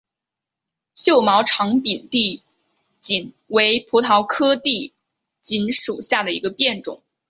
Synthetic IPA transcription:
ɕjo˥˩ʊmɑ˧˥ʊʈ͡ʂʰɑ˧˥ŋpi˨˩nt̪i˥˩ | t͡ɕi˨˩n | we˧˥ɪpʰu˧˥t̪ʰɑ˧˥ʊkʰɤ˥t̪i˥˩ | t͡ɕi˧˥nʂu˨˩ɕja˥˩d̪ə˩ḭ˧˥ɡə˧pjɛ˥˩nʈ͡ʂʊ̰˨˩˦ŋ

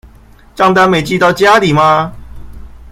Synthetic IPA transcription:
t͡ɕɑ˥˧ŋt̪a˥˧nmẽ˨˩jt͡ɕi˥˧t̪a˥˧ʊt͡ɕja˦li˨˩mã˧

